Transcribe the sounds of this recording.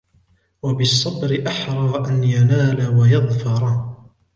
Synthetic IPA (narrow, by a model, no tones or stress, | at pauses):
wabɪsˤːɑbɾɪʔaħɾˤɑːʔanjanaːlawajɑðˤfɑɾˤ